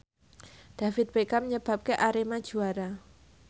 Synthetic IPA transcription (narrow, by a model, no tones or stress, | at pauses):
d̪̥afɪt̪̚pekaməɲəb̥a̤p̚keʔaɾemad̥ʒ̥ṳaɾa